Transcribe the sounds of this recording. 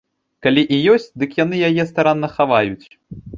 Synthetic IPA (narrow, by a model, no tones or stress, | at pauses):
kalʲiʔijɔsʲt͡sʲd̪ɨkjan̪ɨjajɛst̪aɾanːɐxavajut͡sʲ